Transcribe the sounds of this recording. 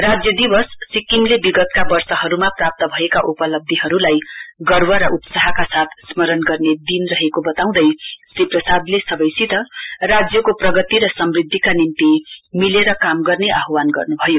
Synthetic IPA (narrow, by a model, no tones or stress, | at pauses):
rad͡zjʌd̪ibʌssikiŋlebiɡʌt̪̚kabʌrsʌɦʌɾumaprap̚t̪ʌbʱʌekaʔupʌlʌb̚d̪ʱiɦʌɾulajɡʌrwʌɾʌʔupsaɦʌkasat̪ʰsmʌɾʌnɡʌrned̪inrʌɦekobʌt̪aw̃d̪ʌjsiprʌsad̪lesʌbʌjsit̪ʌrad͡zjʌkoprʌɡʌt̪iɾʌsʌmrid̪ʱːikanint̪imileɾʌkamɡʌrneʔaɦwanɡʌ̰rnubʱʌjo